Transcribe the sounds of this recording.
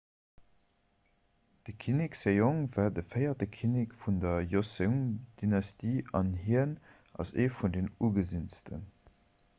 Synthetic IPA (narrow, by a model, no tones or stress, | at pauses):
d̥əkʰiniksejoŋvaːdəfəɪɐdəkʰinikfundɐjosəʊnd̥inɑstiːɑnhiən | ʔɑ̰sḛːfundeːnuːɡəzinstə̰n